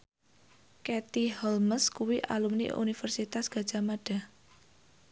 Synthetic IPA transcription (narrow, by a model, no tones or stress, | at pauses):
kɛt̪ihɔlməskuwiʔalumnḭʔṵnifərsit̪asɡ̥ä̤d̥ʒ̥a̤maɖ̥a̤